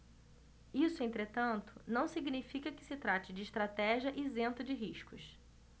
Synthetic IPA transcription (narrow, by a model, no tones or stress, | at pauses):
isʊẽnt̪ɾet̪ɐ̃nt̪ʊnɐ̃w̃siɡnifikɐkɪ̥sɪt̪ɾat͡ʃɪd͡ʒɪːʃt̪ɾat̪ɛʒiɐʔɪzẽnt̪ʊd͡ʒɪɦiʃkʊs